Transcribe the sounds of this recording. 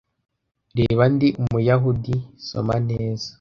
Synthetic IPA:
ɾeːβandiʔumujaɦudiso̞̰maneːzḁ

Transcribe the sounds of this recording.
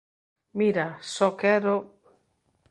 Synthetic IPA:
miɾasɔkɛɾo

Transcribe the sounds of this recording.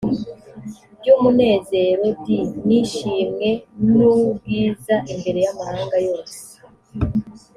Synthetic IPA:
bɟuːmune̞ːze̞ɾo̞bdiniʃiːmŋe̞nub̚ɡiːzaʔimbe̞ɾe̞jamahaːŋɡajo̞ːse̥

